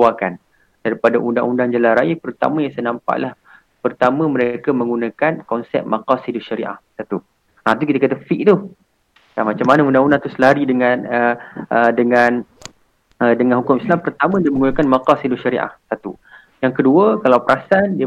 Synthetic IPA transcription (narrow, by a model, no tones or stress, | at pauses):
uakan | d̥aɾipadaʔunda̰ŋundaŋd͡ʒalaɾajapəɾut̪a̰mãjasanampa̰ʔlah | pərt̪amə̃məɾekamə̃ŋɡunakankɔnsɛ̰p̚maqashidʊʔʃaɾiʔa̰hsat̪u | at̪̬ukit̪akat̪afiʔt̪uh | kamat͡ʃamːanaũndaŋundãt̪usəlaɾidəŋãnəədəŋan | ədəŋanhukʊmislampərt̪amãdiaməŋɡunakanmaqɑshidʊʔʃaɾiʔa̰hsat̪ṵ | jaŋkəduəkalawpəɾasandiə